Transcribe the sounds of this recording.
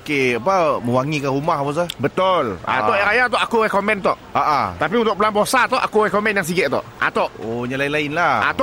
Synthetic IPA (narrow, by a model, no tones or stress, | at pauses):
keapaməwaŋikaɾumahpas̬əbət̪ola̰t̪ɔʔjaŋkajat̪ɔʔakurɛkomɛnt̪ɔʔaʔat̪ap̬iunt̪ʊʔpəlanbosat̪ɔʔa̰kurɛkomɛnjaŋs̬iɡɛʔt̪ɔ̰ʔʔa̰t̪ɔʔoɲalainlaɪnlaa̰t̪ɔ